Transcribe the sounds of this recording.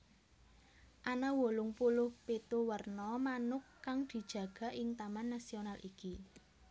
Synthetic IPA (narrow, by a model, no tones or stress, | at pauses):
ʔanawolʊŋpulʊhpet̪uwərnɔmanʊkːaŋd̪̥i̤d̥ʒ̥ä̤ɡ̥ä̤ʔɪŋt̪amanːasionalʔiki